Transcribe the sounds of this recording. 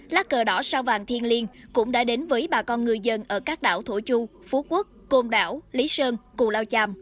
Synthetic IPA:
laː˦˥kkəː˨˩ɗɔ˨˦saː˧wvaː˨˩ŋt̪ʰi˧ənli˧ənkʊ̰˧˥ŋ͡mɗa̰ː˧˥ɗe˨˦nvəː˨˦jɓaː˨˩kɔ˧nŋɨ˨˩əjzə˧nʔəː˧˩kaː˦˥k̚ɗa̰ː˧˩wt̪ʰo˧˩t͡ɕu˧fu˨˦ku˦˥k̚ːo˧mɗa̰ː˧˩wli˨˦səː˧ŋkʊ˨˩laː˧wt͡ɕaː˧m

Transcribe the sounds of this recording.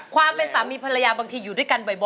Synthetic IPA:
kʰwaː˧mpːa˧jsaː˩˦miː˧˩pʰa˧ɾa˧jaː˧baː˧ŋt̪ʰiː˧juː˨˩du˥˩˨jka˧nbɔ˨˩jbɔ˨

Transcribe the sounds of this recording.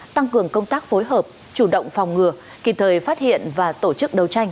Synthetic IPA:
t̪a˧ŋkɨ˨˩əŋkə˧wŋ͡mt̪aː˦˥k̚fo˨˦jɦəː˨˩p̚ | t͡ɕu˧˩ɗə̰˧˨wŋ͡mfa˨˩wŋ͡mŋɨ˨˩ə | kḭ˨˧˩t̪ʰəː˨˩jfaː˦˥t̚hḭ˧˨ənvaː˨˩t̪o˧˩t͡ɕɨ˦˥k̚ɗə˨˩wt͡ɕa˧jŋ̟

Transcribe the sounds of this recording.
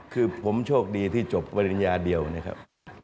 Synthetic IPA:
kʰɯː˧pʰo˩˦mt͡ɕʰoː˥˩k̚diː˧t̪ʰiː˥˩t͡ɕo˨˩pːɾa˧ɾi˨˧˦njaː˧di˧əwna˦˥kʰa̰˦˥p̚

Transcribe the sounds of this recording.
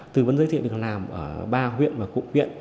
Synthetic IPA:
t̪ɨ˨˩və˨˧˥nzəː˧˦t̪ʰi˧˨˩ə˨˩laː˨˩mʔəː˧˩ɓaː˧ɦwḭ˧˨ənvaː˨˩kṵ˧˨k̚hwḭ˧˨ən

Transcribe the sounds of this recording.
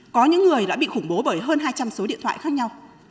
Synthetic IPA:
kɔ˨˦ɲɨ̰˧˥ŋːɨ˨˩əjɗa̰ː˧˥ɓḭ˧˨xʊ˧˩ŋ͡mɓo˨˦ɓəː˧˩jɦəː˧nɦaː˧jt͡ɕa˧mso˨˦ɗḭ˧˨t̪ʰwa̰ː˧˨jxaː˦˥k̚ɲa˧w

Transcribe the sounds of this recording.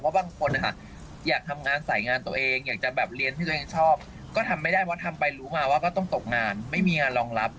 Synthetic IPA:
waː˥˩baː˧ŋkʰo˧nʔa˧˩kʰa˦˥˩ʔ | jaː˨˩k̚t̪ʰa˧mŋaː˧nsa˨˩˦jŋaː˧nt̪u˧ɐʔeː˧ŋjaː˨˩k̚t͡ɕa˨˩bɛː˨˩p̚ɾi˧ənt̪ʰiː˥˩˧eː˧ŋt͡ɕʰɔː˥˩p̚ | kɔː˥˩t̪ʰa˧mːa˥˩jda˥˩jpʰwa˥t̪ʰa˧mpa˧jɾuː˦˥maː˧waː˥˩kɔː˥˩t̪ɔ˥˩ŋt̪o˨˩k̚ŋaː˧nma˥˩jmiː˧ŋaː˧nlɔː˧ŋla˦˥p̚

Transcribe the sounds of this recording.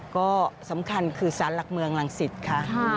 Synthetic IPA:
kɔː˥˩sa˩˦mkʰa˧nkʰɯː˧saː˩˦nla˨˩k̚mɯ˧əŋla˨˩˦ŋsi˨˩t̪̚kʰa˥˩ʔ

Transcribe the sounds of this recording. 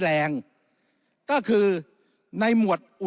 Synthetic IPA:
lɛː˧ŋ | kɔː˥˩kʰɯː˧ | na˧jmu˨˩ət̪̚ʔu˨˩

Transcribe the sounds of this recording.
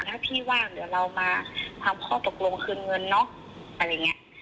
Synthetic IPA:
nʰaː˧˥˩p̪ʰiː˧˥˩waː˧˥˩ŋdɯ˨˩˦ɐwla˧wmaː˧t̪ʰa˧mkʰɔː˥˩t̪o˨˧˩k̚lo˧ŋkʰɯː˧˥˨nŋɤ˧nːɔ˦˥˨ | ʔa˧˩ɾaː˧˩ŋi˦˥ɐʔ

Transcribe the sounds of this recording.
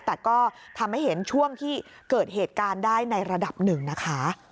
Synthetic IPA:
t̪ɛː˨˩kɔː˥˩t̪ʰa˧mha˥˩jɦe˩˦nt͡ɕʰu˥˩əŋt̪ʰiː˥˩ | kɤː˨˩t̪̚heː˨˩t̪̚kaː˧ndaː˥˩jna˧jɾa˧da˨˩p̚nɯ˨˩ŋna˦˥kʰa˦˥

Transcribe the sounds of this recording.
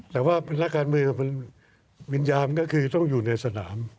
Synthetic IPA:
t̪ɛː˨˩waː˥˩pʰa˧na˦˥˩kkaː˧nmɯ˧əkpʰn | wi˧njaː˧mkɔː˥˩kʰɯː˧t̪ɔ˥˩ŋjuː˨˩na˧jsa˧na̰ː˩˦m

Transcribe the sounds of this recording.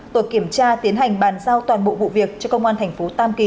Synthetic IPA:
t̪o˨˧˩jki˧˩əmt͡ɕaː˧t̪i˨˦ənɦa˨˩jŋ̟ɓaː˨˩nzaː˧wt̪waː˨˩nɓo̰˧˨vṵ˧˨vi˨˩ək̚t͡ɕɔ˧kə˧wŋ͡mʔaː˧nt̪ʰɛ˨˩ŋ̟fo˨˦t̪aː˧mki˨˦

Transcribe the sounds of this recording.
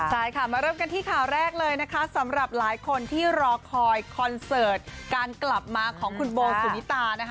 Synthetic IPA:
t͡ɕʰa˥˩jkʰa˦˥˩maː˧ɾɤː˥˩mka˧nt̪ʰiː˥˩kʰaː˨˩wɾɛː˥˩k̚lɤː˧jna˦˥kʰa˦˥sa˩˦mɾa˨˩p̚laː˩˦jkʰo˧nt̪ʰiː˥˩ɾɔː˧kʰɔː˧jkʰɔ˧nsɤː˨˩t̪̚kaː˧nkla˨˩p̚maː˧kʰɔː˩˦ŋkʰu˧nboː˧su˨˩ni˦˥t̪aː˧na˦˥kʰ

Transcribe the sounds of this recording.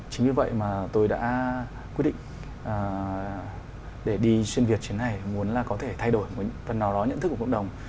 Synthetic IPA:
t͡ɕï˨˦ŋ̟ɨ˧˩və̰˧˨jmaː˨˩t̪o˧jɗa̰ː˧˥ | kwi˦˥t̚ɗḭ˧˨ŋ | ʔəː˨˩ | ɗe˧˩ɗi˧swi˧nvi˨˩ət̚t͡ɕi˨˦na˨˩jmu˨˦ənlaː˨˩kɔ˨˦t̪ʰe˧˩t̪ʰa˧jɗo˧˩jm˨˩fə˨˩nːa˨˦wɗɔ˨˦ɲə̰˧˨nt̪ɨ˦˥kːkə̰˧˨ɗə˨˩wŋ͡m

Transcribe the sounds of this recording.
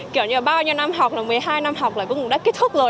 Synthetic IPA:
ki˨˩˦wɲɨ˨˧˨ɓaː˧wɲi˧wna˧mɦa˨˩k͡p̚laː˨˩mɨ˨˩əjɦaː˧jna˧mɦa˨˩wk͡pla̰ː˧˨kṵ˧˦ŋ̚˨˩ɗa˦˥ki˦˥t̪̚ʊ˦˥k͡p̚zo˨˩

